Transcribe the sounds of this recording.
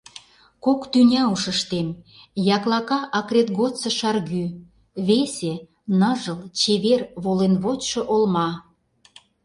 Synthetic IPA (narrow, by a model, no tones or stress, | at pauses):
kokt̪ynʲɑuʃə̆ʃt̪emjɑklɑkɑʔɑkrʲet̪ɣot̪t͡sə̆ʃɑrɣy | βesʲe | nəʒə̆lt͡ɕeβerβolenβot͡ɕʃɤ̆ʔolmɑ